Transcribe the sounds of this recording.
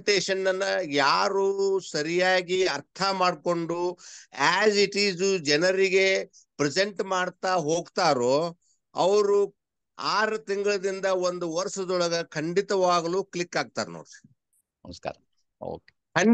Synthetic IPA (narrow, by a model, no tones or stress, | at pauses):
ʈeːʃɐnːɐnːɐjaːɾuːsɐɾijaːɡiɐɾt̪ʰɐmaːɖko̞ɳɖuaːd͡ʒiʈiːzud͡ʒɛnɐɾiɡe̞ | pɾɛse̞ɳʈmaːɽt̪aɦo̞ːɡt̪aːɾoː | ɐ̰ʋɐɾu | aːɾɐt̪iŋɡɐɭɐd̪ind̪ɐo̞nd̪uʋɐɾʃɐd̪ɔɭɐɡɐkʰɐɳɖit̪ɐʋaːɡɐluːklikːaːɡ̚t̪a̰ːɾno̰ːɾi | nɐmɐska̰ːɾɐ | o̰ːke | kɐ